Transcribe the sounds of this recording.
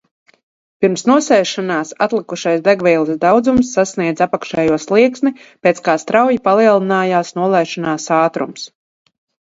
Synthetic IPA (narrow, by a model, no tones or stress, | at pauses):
piɾmsnuɔsɛjʃanaːsa̰t̪lˠikuʃajsd̪ɛɡvɛːlˠisd̪awd̪zumsːasniɛd̪zapakʃɛjuɔslˠiɛksmipeːt̪skaːst̪ɾawjipalˠiɛlˠinaːjaːsnuɔlˠɛjʃanaːsaːt̪ɾṵms